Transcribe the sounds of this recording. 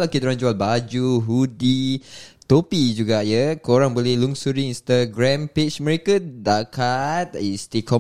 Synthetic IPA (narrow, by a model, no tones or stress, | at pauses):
lakit̪uɾãŋd͡ʒualbad͡ʒuɦudit̪opid͡ʒuɡajəkoɾaŋbolɛhluŋsuɾiinst̪aɡɾãmpet͡ʃmə̃ɾekadakat̪̚ist̪ikʰɔ